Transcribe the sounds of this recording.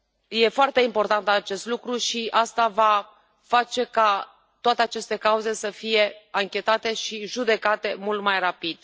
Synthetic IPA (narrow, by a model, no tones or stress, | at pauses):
je̞foart̪e̞impo̞rt̪ant̪at͡ʃe̞st̪lukɾuʃiast̪ava | fat͡ʃe̞ka | t̪oat̪e̞at͡ʃe̞st̪e̞kauze̞səfije̞aŋkʲe̞t̪at̪e̞ʃiʒud̪e̞kat̪e̞mult̪majrapid̪̥